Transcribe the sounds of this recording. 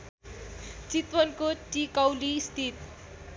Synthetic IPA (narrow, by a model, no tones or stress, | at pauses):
t͡sit̪wʌnkoʈikʌwlist̪ʰit̪̚